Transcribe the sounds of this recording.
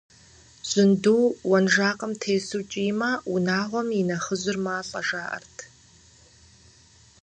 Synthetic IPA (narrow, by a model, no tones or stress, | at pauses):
z̥ɪnduːwɐnʒaːqʼəmtʰeːsuːt͡ʃʼijmaunaːʁʷɔminɐχəzɪrmaːɬʼɐʒaːʔɐ̰rtʰ